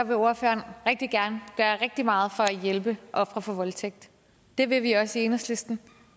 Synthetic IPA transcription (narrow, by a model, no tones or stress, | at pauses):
ɑʋe̝o̝ɐføːɐnʁeɡ̥̚d̥iɡ̥æɐnəɡ̥ɶːɐʁeɡ̥̚d̥imɑ̈ːð̞̩ˠfɒ̽æjelb̥əʔɒ̽fʁɐfɒ̽ʋɒ̽lt͡sʰeɡ̥̚d̥ | d̥e̝ʋe̝ʋiɒ̽sie̝nəsle̝sd̥n̩